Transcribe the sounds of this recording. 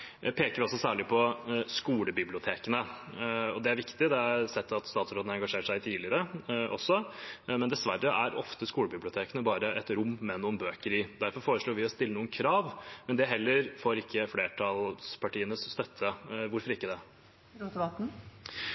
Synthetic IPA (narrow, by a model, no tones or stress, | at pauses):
pʰeːkəɾʋɪɔsɔsæːɭɪpʰɔskuːləbɪblɪʊt̪ʰeːkənəɔd̪ɛæɾʋɪkt̪ɪd̪ɛæɾsɛt̪ːɑt̪st̪ɑːt̪sɾoːd̪nəɛŋɡɑʂeːɾʂæɪt̪ʰiːlɪəɾəʔɔ̰sːɔmɛnd̪ɛsʋærːəʔæɾɔft̪əskuːləbɪblɪʊt̪ʰeːkənəbɑːɾəʔɛt̪ɾʊmːmɛnuːənbøːkəɾɪd̪æɾfɔɾfoːɾəʂɭoːɾʋɪɔst̪ɪlːənuːənkʰɾɑːʋmɛnd̪ɛɦɛlːəɾfoːɾɪkʰːəfleːʈʰɑlspʰɑʈʰiːənəsːt̪œt̪ʰːəʋʊɾfɔɾɪkːəd̪ɛ | t̪ɑt̪n̩